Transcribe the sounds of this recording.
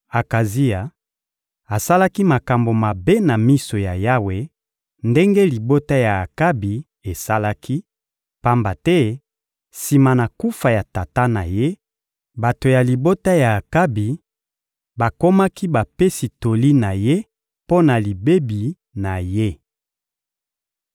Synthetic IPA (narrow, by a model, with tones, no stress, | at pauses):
a˨ka˨zi˦a˨ | a˨sa˦la˦ki˦ma˨ka˨mbo˨ma˨be˦na˨mi˦so˨ja˨ja˦we˨ | nde˦ŋɡe˦li˨bo˦ta˦ja˨a˨ka˦bi˨ | e˨sa˦la˦kʰi˦ | pa˦mba˨tɛ˦ | si˨ma˨na˨ku˦fa˨ja˨ta˨ta˦na˨je˦ | ba˨to˨ja˨li˨bo˦ta˦ja˨a˨ka˦bi˨ | ba˨ko˦ma˦ki˦ba˨pe˦si˨to˨li˦na˨je˦ | po˦na˨li˨be˦bi˨ | na˨je˦